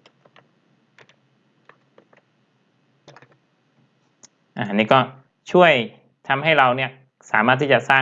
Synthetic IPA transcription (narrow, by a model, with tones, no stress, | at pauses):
ʔaː˧˩ʔa˩niː˥˩kɔː˥˩ | t͡ɕʰu˥˩əj | t̪ʰa˧mɦa˥˩jɾa˧wni˥˩ɐ | saː˩˦maː˥˩t̪ʰːiː˥˩t͡ɕa˨˩saː˥˩